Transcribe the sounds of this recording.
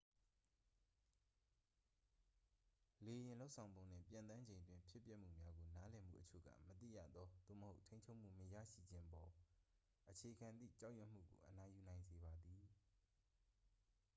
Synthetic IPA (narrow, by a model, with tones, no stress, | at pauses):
le˨jɪ̃˨lo˦ʊʔsʰã˨ʊ̃mbõ˨ʊ̃n̥ɪ̰̃˦˨pjã˨nt̪ã˦ɲd͡ʑẽ˨ntwɪ̃˦mpʰjɪ˦pjɛ˦ʔm̥ṵ˦˨mja˦ɡo˨na˦lɛ˨m̥ṵ˦˨ʔət͡ɕʰo̰˦˨ɡä̰˦˨mət̪ḭ˦˨jä̰˦˨d̪ɔ˦d̪̥o̰˦˨məho˦ʊʔtʰẽ˦ɲʰo˦ʔm̥ṵ˦˨məjä̰˦˨ʃḭ˦˨d͡ʑɪ̃˦ʔəpɔ˨ | ʔət͡ɕʰe˨ʔəɡã˨nd̪ðḭ˦˨t͡ɕã˦ʔjwɛ˦˨m̥ṵ˦˨ɡo̰˨ʔəna˨ju˨nã˨ɪ̃nze˨βa˨d̪i˨